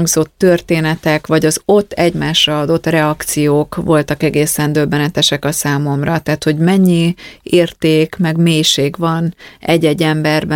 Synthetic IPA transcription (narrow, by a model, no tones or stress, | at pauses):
ŋɡzo̞t̪ːørt̪eːnɛt̪ɛkʋɒɟɒzo̞t̪ːɛɟmaːʃrɒɒd̪o̞t̪ːrɛɒkt̪sijoːkʋo̞lt̪ɒkɛɡeːsɛnd̪øbːɛnɛt̪ɛʃɛkɒsaːmo̞mrɒt̪aːt̪ho̞ɟmɛɲːieːrt̪eːkmɛɡmeːjʃeːɡvɒnɛɟːɛɟːɛmbɛrb